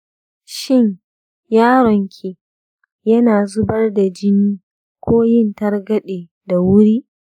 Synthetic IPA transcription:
ʃɪ˦ɲ | jaː˦ɾɔ˨ŋkʲʰi˨ | jɐ˦naː˨zʊ˦bɐ˦rda˨d͡ʒɪ˦niː˦ | kʷoː˦jɪ˦˨ntɐ˦rɡɐ˦ɗeː˨ | da˨wʊ˦ɾiː˦

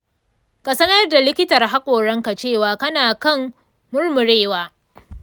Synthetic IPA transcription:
kʼa˨sɐ˦nɐ˦rda˨lɪ˦kʲɪ˦tɐ˨rɦa˦kʷʼoː˨ɽɐ˦ŋka˨t͡ʃeː˦˨waː˨kɐ˦naː˨kɐ˦˨m | mʊ˦rmʊ˨ɽeː˦˨waː˦

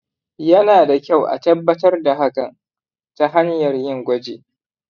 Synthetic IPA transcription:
jɐ˦naː˨da˨kʲa˦˨wʔa̰˨tɐ˦bːɐ˦tɐ˦rda˨ɦa˦kɐ˨n | ta˦ɦa˦njɐ˨rjɪ˦˨ŋɡʷɐ˦d͡ʒḛː˨

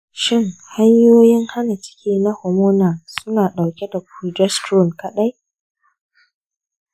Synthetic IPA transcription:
ʃɪ˦˨ŋha˦ɲjoː˦jɪ˦ŋha˦na˨t͡ʃɪ̥˦kʲiː˦na˦ho˨moː˦naː˨sʊ˦naː˨ɗa˨wkʲɛ˦da˨kʷɾu˨d͡ʒɛ˦stɾo˦˨nkɐ˦ɗa˦j

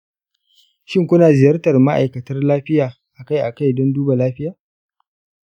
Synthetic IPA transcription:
ʃɪ˦ŋkʷʊ˦naː˨zɪ˨jɐ˦rtɐ˨rma˦ʔa̰˨jkɐ˨tɐ˦rlaː˦ɸɪ˦jaː˨ | ʔa˨ka˦jʔa˨ka˦jdɔ˦nduː˦ba˨laː˦ɸɪ˦jaː˨

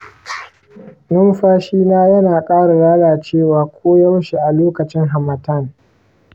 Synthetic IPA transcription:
nʊ˦mɸaː˦ʃiː˦naː˦jɐ˦naː˨kʼaː˦ɽa˨ɽaː˦laː˨t͡ʃeː˦˨waː˨kʷʰoː˦ja˦wʃi˨ʔa˨loː˦kɐ˨t͡ʃɪ˦ŋɦa˨mɐ˨tɐ˦˨n

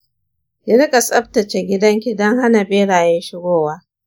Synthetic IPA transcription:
jɐ˦ɽɪ˦kʼa˨sʼɐ˦ɸ̚tɐ˨t͡ʃe˨ɡʲɪ˦dɐ˦ŋkʲi˨dɔ˦ŋha˦na˨beː˦ɽaː˨jɛ˦nʃɪ˦ɡʷoː˦waː˦

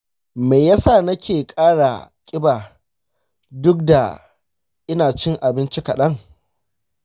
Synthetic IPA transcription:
me˨jaː˦sa˦˨nɐ˦kʲeː˨kʼaː˦ɽa˨kʲʼɪ˦baː˨ | dʊ˦k̚da˨ | ʔɪ˦naː˨t͡ʃɪ˦ŋʔa˨bɪ˦nt͡ʃi˦kɐ˨ɗɐ˦ŋ

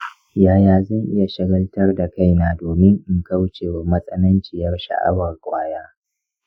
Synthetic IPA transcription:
jaː˨jaː˨zɐ˦˨ŋʔɪ˦ja˨ʃɐ˦ɡɐ˦ltɐ˦rda˨ka˦˨jnaː˦doː˨mɪ˦ŋʔɪ˦ŋka˦wt͡ʃeː˨wa˨mɐ˦sʼɐ˦nɐ˦nt͡ʃiː˨jɐ˦rʃa̰˨ʔa̰˦wɐ˨rkʷʼaː˦jaː˦

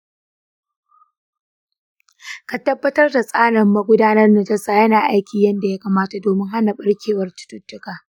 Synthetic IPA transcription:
ka˨tɐ˦bːɐ˦tɐ˦rda˨sʼaː˦ɽɐ˨mːɐ˦ɡʷʊ˦daː˦nɐ˦rnɐ˨d͡ʒɐ˦saː˨jɐ˦naː˨ʔa˦jkʲiː˨jɐ˦nda˨ja˦kaː˨maː˦ta˨doː˨mɪ˦ŋha˦na˨ɓɐ˦ɽkʲeː˨wɐ˦rtʊ̥˦tʊ˦tːʊ˦kaː˨

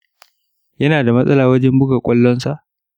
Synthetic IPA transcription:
jɐ˦naː˨da˨mɐ˦sʼɐ˦laː˨wɐ˦d͡ʒɛ˦mbʊ˦ɡa˨kʷʼɐ˦lːɔ˦nsa˨ʔ

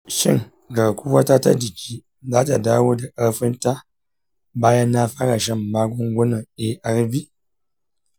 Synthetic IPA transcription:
ʃi˦ŋ | ɡa˨ku˦wa˦ta˦ta̰˦di˨ki˨ | ða˦ta˨da˦wo˦də˨ʔa˦fə˦n˦ta˦ | ba˦ja˦na˦fa˦ka˨ʃa˦˨m˨ma˦ɡo˦ŋɡʷo˦nə˨e˨ʔa˨ɾvi˦

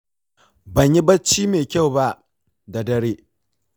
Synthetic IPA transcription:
bɐ˨ɲji˦bɐ˦t͡ʃːiː˦meː˨kʲa˦˨wba˦ʔ | da˨dɐ˦ɽeː˦

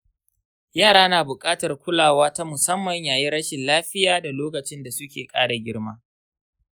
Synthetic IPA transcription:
jaː˦˨ɽaː˦naː˨bʊ˨kʼaː˦tɐ˨rkʷʊ˦laː˨waː˦ta˦mʊ˨sɐ˦mːɐ˨ɲjaː˨ji˦ɽɐ˦ʃɪ˨nlaː˦ɸɪ˦jaː˦da˨loː˦kɐ˨t͡ʃɪ˦nda˨sʊ˦kʲḛː˨kʼaː˦ɽa˨ɡʲɪ˦ɽmaː˦

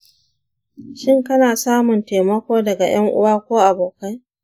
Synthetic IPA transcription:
ʃɪ˦ŋkɐ˦naː˨saː˦mʊ˨nteː˨mɐ˦kʷoː˦dɐ˨ɡa̰˨j̰ɐ˦ŋʔʊ̰˦waː˦kʷoː˦ʔa˨boː˨ka˦j

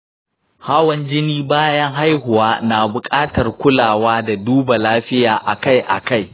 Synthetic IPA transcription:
haː˦wɐ˨nd͡ʒɪ˦niː˦baː˦jɐ˦ŋɦa˦jhʊ˨waː˦na˨bʊ˨kʼaː˦tɐ˨rkʷʊ˦laː˨waː˦da˨duː˦ba˨laː˦ɸɪ˦jaː˨ʔa˨ka˦˨jʔa̰˨ka˦j

